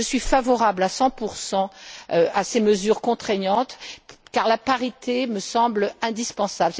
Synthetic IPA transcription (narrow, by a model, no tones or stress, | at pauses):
əsɥifavɔʁablasɑ̃puʁsɑ̃øaseməzyʁkɔ̃t̪χɛɲɑ̃t̪kaʁlapaʁit̪ʰeməsɑ̃blɛ̃d̪ispɑ̃sabl